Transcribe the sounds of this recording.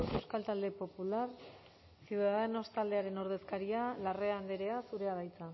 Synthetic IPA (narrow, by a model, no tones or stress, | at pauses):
se̞wskalt̪ald̪e̞po̞pular | siwðaðeno̞st̪ald̪e̞aɾe̞no̞ɾð̞e̞skaɾialare̞and̪eɾe̞asuɾe̞aβajt͡sa